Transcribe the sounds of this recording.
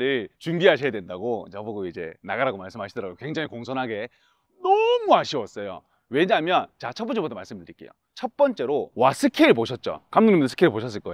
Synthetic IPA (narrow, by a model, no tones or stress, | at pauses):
ɾɯɭt͡ɕumbiɦaɕʰijadwendaɡot͡ɕʌboɡoid͡ʑe̞̰na̰ɡaɾaɡomaɭs͈ɯmɦaɕʰidʌɾaɡokwe̞ŋd͡ʑaŋikoŋsʰʌnɦaɡe̞ | nʌmuaɕʰiwʌs͈ʌjo̰ | weɲamjʌnt͡ɕat͡ɕʰʌp͈ʌt͡ɕebodamaɭs͈ɯmdɯdɯɾik͈e̞̰jo̰ | t͡ɕʰʌp͈ʌnt͡ɕ͈e̞ɾowasʰɯkʰeɯɭpoɕʰʌt̚t͡ɕ͈o̰kamnuŋɲimdɯsʰɯ̥kʰeɾɭpoɕʰʌs͈ɯɭk͈ʌ